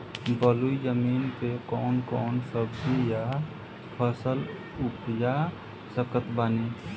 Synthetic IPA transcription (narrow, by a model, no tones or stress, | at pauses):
bəluid͡ʒəmiːnpekɔːnkɔːnsəbija | pʰəsəl | ʊpja | səkət̪bəne